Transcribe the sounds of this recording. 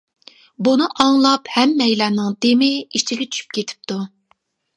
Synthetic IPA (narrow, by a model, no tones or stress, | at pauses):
bunɨʔɑŋlˠɑphɛmːɛjlɑːnɨŋd̪emɪiʃt͡ʃiɡʲɛt͡ʃʰy̥ʃy̥p̚kʲʰet̪ʰɪ̥p̚t̪ʰu